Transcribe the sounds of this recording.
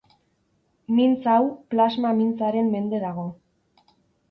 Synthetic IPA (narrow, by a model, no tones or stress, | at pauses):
mint͡sawplazmamint͡saɾe̞mːe̞nd̪e̞ðaɣ̞o̞